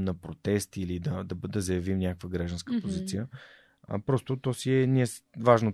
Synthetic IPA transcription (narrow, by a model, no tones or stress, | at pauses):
nɐpɾot̪ɛst̪ilid̪ɐd̪ɐbəd̪ɐzɐjɐvimnʲakəkvəɡɾaʒd̪nskəpozit̪sijə̰ | pɾɔst̪ʊt̪ɔsiɛniɛsvaʒno